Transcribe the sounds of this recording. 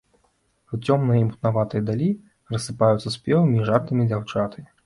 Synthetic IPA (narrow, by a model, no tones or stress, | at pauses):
ut͡sʲɔmnɨjɐimpu̥t̪navat̪ɨjɐd̪alʲi | rɐsːɨpajut̪sɐspʲɛvɐmʲiːʐart̪ɨmʲid͡zʲawt͡ʂat̪ɐmʲi